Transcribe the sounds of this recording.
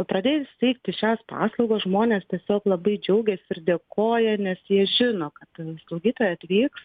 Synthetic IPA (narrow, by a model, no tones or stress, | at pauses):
pɾɐd̪ʲeːjsʲɛɪkt̪ʲɪʃʲæːspɑ̰ːslˠoʊɡoːsʒmoːnʲeːst̪ʲiɛsʲoːklˠɐbɐɪd͡ʒʲɛʊɡʲɛsʲɪɪrd̪ʲeːkoːjɛnʲɛsjiɛʒʲɪnoːkɐt̪slˠɐʊɡʲiːt̪oːjɛɐt̪ʲʋʲiːks